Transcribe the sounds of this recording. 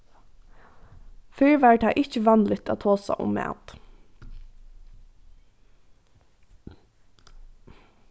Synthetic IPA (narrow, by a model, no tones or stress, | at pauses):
fɪɹʋaɹt̪ʰaʔɪht͡ʃəʋɑnlɪt̪a̰t̪ʰoːsa̰ʔʊ̰mːɛ̰t̪